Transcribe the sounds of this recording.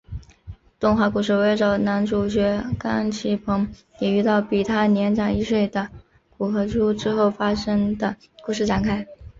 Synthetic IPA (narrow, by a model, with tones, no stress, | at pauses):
t̪ʊ˥˧ŋxwa˧˥ku˨˩ʂ̬ɻ̩˥˩we˧˥ɪʈ͡ʂɑ˨˩ʊna˧˥nʈ͡ʂu˨˩t͡ɕɥɛ˧˥ka˥ŋt͡ɕʰi˧˥˩pʰɤ˧˥ŋ | jɛ˨˩y˥t̪ɑ˥˩ʊpi˨˩t̪ʰa˥˩njɛ˧˥nʈ͡ʂɑ˨˩ŋi˥ʂwe˥˩ɪd̪ə˩ | ku˨˩xɤ˧˥ʈ͡ʂu˥ʈ͡ʂɻ̩˥xo˥˩ʊfa˥ʂɤ˥ŋd̪ə˨ | ku˨˥˩ʂɻ̩˥˩ʈ͡ʂa˨˩nkʰa˥ɪ